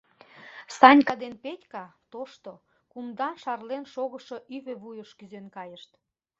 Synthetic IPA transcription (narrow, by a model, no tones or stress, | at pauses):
sɑnʲkɑd̪enpet̪ʲkɑt̪oʃt̪o | kumd̪ɑnʃɑrlenʃoɣəʃoʔyβøβujəʃkyzønkɑjəʃt̪